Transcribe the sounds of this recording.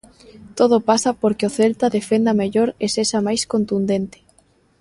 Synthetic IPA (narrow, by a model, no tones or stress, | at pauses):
t̪oð̞ʊpasapoɾkeoθelt̪aðefend̪ɐmeʎoɾesesamajskont̪und̪ent̪ɪ̥